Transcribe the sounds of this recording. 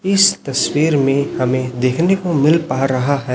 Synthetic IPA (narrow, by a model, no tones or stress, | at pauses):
ɪst̪ɐswiːɾmẽhɐmẽd̪eːkʰnekomɪlpaːɾɐɦaɦɛː